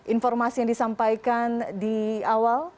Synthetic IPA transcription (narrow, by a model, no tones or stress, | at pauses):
ʔinfɔrmasijaŋdisampajkandiawal